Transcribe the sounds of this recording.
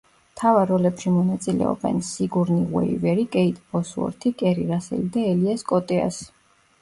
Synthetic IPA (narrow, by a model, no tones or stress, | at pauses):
t̪ʰavaɾɔlɛpʃimɔnat̪sʼilɛ̰ɔ̰bɛ̰nsiɡuɾniʁwɛ̰ivɛɾikʼɛit̪ʼbɔsuɔ̰ɾt̪ʰikʼɛɾiɾasɛ̰lid̪aɛliaskʼɔt̪ʼɛa̰s